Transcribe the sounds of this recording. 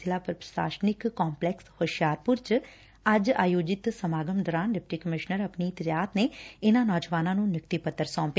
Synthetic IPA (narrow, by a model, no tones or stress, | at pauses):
ɪlaːpəɾpɾə̥ʃa̰ːʃnɪkːɔːmplɛkshoʃjaːɾpʊɾt͡ʃ | ɐd͡ʒaːjoːd͡ʒɪt̪səmaːɡəmd̪ɔːɾaːnɖɪp̚ʈiːkəmɪʃnəɾəpnit̪ɪɾjaːt̪neːɪnãːnɔːd͡ʒəʋaːnãːnũːnjɪk̚t̪ipət̪ːəɾsɔ̃ːmpe